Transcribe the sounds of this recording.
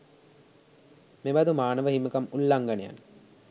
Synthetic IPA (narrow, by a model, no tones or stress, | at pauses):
mebɐd̪umaːnəʋəɦimɐkɐmulːɐŋɡɐneja̰n